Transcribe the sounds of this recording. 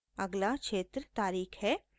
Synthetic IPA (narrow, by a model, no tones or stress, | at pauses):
ɐɡlaʃeːt̪ɾət̪aːɾiːkhɛː